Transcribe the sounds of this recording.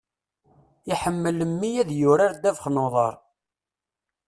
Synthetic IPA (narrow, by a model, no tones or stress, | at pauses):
iħəmːələmːijæðjʊɾaɾd̪ævəχnoðˤɑ̰ɾˤ